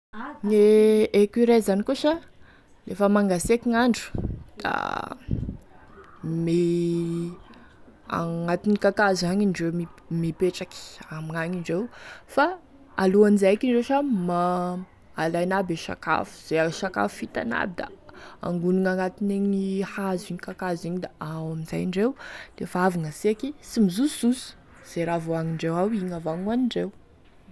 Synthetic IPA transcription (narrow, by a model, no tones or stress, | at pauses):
ŋeekiɾazanikuʃə | lefəmaŋɡasekiŋaɳɖ͡ʐu̥d̪̥a̰ | mi | a̰ŋat̪inikakazaɲiɳɖ͡ʐewmimipeʈ͡ʂaki̥amiŋaɲiɳɖ͡ʐewfa | aluanizajkiɳɖ͡ʐeʃamaː | lajnabeʃa̰ka̰fu̥z̥eaʃaka̰fu̥fit̪a̰na̰bid̪a̰a̰ŋɡunuŋaŋat̪ineɲɲihaziɲikakaziɲid̪aawaminza̰jiɳɖ͡ʐewd̪̥efaaviŋəseakisimizuszusu̥ | z̥eɾavoaŋiɳɖ͡ʐewawiɲavaŋaniɳɖ͡ʐew